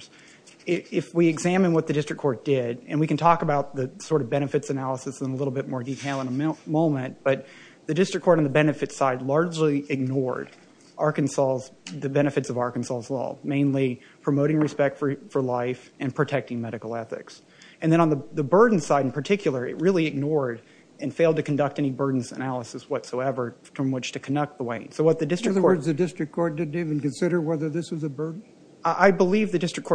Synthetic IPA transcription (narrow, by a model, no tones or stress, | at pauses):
ɪɪfwiɨɡzæmɨ̃nwʌt̪̚ðɨdɪstɹ̥ɨkʰɔɹt̚d̥ɪɾɨ̃nwikntʰɔkəbaʊt̪̚ðɨsɔɹɾʌvbɛɾ̃ɨfɨtsɨnælˠəsɨsə̃nəlɪɾl̩ˠbɪt̚mɔɹditʰeɪlˠə̃nəmõʊ̃mɨ̃n̚b̥ʌt̪̚ | ðɨdɪstɹ̥ɨkʰɔɹɾn̩ðɨbɛnɨfɨtsaɪdˡlɑɹd͡ʒliɨɡ̚nɔɹɾ | ʔɑɹkɨ̃n̩sɔlˠzðɨbɛñɨfɨtsʌvɑɹkn̩sɔlˠzlɔ̰mẽɪ̃nli | pʰɹ̥ɨmoʊɾɪ̃ŋɹɨspɛk̚tfə˞fə˞laɪfɨ̃npʰɹ̥ɨtʰɛk̚tɪ̃ŋmɛɾɨkl̩ˠɛθɪ̰ks | ɨ̃nðɨ̃ɾ̃ə̃nðəðɨbɜ˞dⁿn̩saɪɾ̃n̩pʰə˞tʰɪkʰjl̩ˠə˞ɨ̰t̚ɹɪlˠiɨɡ̚nɔɹɾ | ɨ̃nfeɪlˠdtɨkʰndʌk̚tɛñibɜ˞dⁿn̩zɨ̰nælˠəsɨswʌtsoʊɛvə˞tʰəmwɨt͡ʃtʰɨkʰndʌk̚t̪̚ðəwẽɪ̃nsoʊwʌt̪̚ðɨdɪstɹ̥ɨðə˞zðɨdɪstɹ̥ɨkʰɔɹt̚d̥ɪdⁿn̩ivɨ̃n̩kɨ̃nsɪɾə˞wɛðə˞ðɪswʌzɨbɜ˞dⁿn̩ | ʔaɪbəlivðɨdɪstɹ̥ɨkʰɔɹ